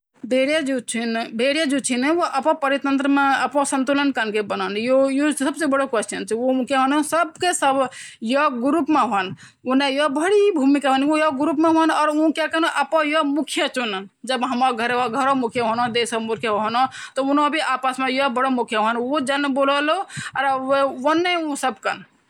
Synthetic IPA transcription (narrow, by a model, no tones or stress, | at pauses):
beɽjad͡ʒut͡ʃʰinbʱeɽjad͡ʒut͡ʃʰinwoʔəpɔ̃pəɾit̪ənt̪ɾəmeəpɔ̃sə̃nt̪ulənkənkebənənjojosəbsebəɽokəsʈənt͡ʃʰioukjeɦonosəb̚kesəbjɔɡuɾupmeɦən | unejɔbəɽibʱumikaɦonojɔɡɾupmeɦoənɔːɾũkjakənoʔəpɔ̃jɔmukʰijət͡ʃunənd͡ʒəbɦəmaɡʱəɾɡʱəɾomukʰjəɦonod̪esɔmuɾkʰjəɦɦɔnɔt̪ɔunobʱiaːpasmẽjɔbəɽomukʰjəɦənod͡ʒanbolɔloɾeʋənːeũsəbkə̰n